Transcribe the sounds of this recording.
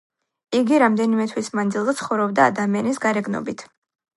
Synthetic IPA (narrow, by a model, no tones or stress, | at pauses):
iɡiɾamd̪ɛnimɛt̪ʰwismand̪zilˠzɛt̪sʰχɔvɾɔb̚d̪a̰ːd̪amianisɡaɾɛɡnɔ̰bit̪ʰ